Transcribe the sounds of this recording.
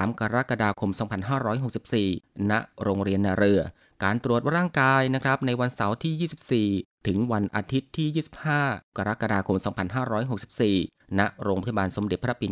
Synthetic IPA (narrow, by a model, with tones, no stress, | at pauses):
aː˩˦mka˧ɾa˦˥ka˧daː˧kʰo˧msɔː˩˦ŋpʰa˧nɦaː˥˩ɾɔː˦˥jɦo˨˩k̚si˨˩p̚siː˨˩na˦˥ʔɾoː˧ŋɾi˧ənːaː˧ɾɯ˧ɐ | kaː˧nt̪ɾu˨˩ət̪̚ɾaː˥˩ŋkaː˧jna˦˥kʰɾa˦˥p̚na˧jwa˧nsa˩˦wt̪ʰiː˥˩jiː˥˩si˨˩p̚siː˨˩t̪ʰɯ˩˦ŋwa˧nʔa̰ː˧t̪ʰi˦˥t̪ʰːiː˥˩jiː˥˩si̥˨˩p̚haː˥˩ka˧ɾa˦˥ʔka˧daː˧kʰo˧msɔː˩˦ŋpʰa˧nɦaː˥˩ɾɔː˦˥jɦo˨˩k̚si˨˩p̚siː˨˩ | na˦˥ʔɾoː˧ŋɾaː˦˥˧a˧baː˧nso˩˦mde˨˩t̪pʰːa˥pːbi˧n